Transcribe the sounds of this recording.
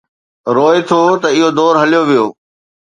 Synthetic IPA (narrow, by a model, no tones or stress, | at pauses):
ɾoːet̪ʰot̪ɐɪɦod̪ɔːɾɦɐlijoʋijoː